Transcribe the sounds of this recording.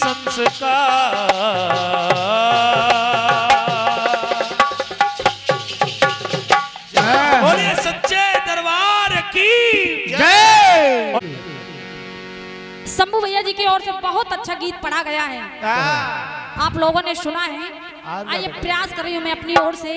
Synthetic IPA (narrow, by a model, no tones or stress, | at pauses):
sɐnska | oɾesɐtːʃed̪ɐɾʋaːɾɐkid͡ʒe | sɐmuʋəjad͡ʒiːkeɔːɾsebɐɦʊt̪ɐtːʃʰaɡiːt̪̚pɐɽ̤aɡɐjaɦɛː | aːploːɡõneʃʊnaɦɛ | aːjepɾɐjaːskɐɾːəijũmɛ̃ɐpniɔːɾse